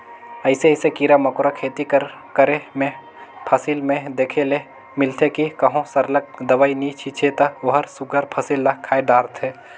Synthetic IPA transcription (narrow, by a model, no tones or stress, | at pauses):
ɐɪseɪsekiːɾamɐkʊɾakʰeːt̪ikəɾ | kəɾemẽ | pʰəsilmẽd̪eːkʰele | mɪlt̪ʰekikɐɦõsɐɾlək̚d̪ɐʋainit͡ʃʰit͡ʃʰet̪ɐoɦəɾsʊɡəɾpʰəsilːɐkʰːaːeɖaːɾt̪ʰeː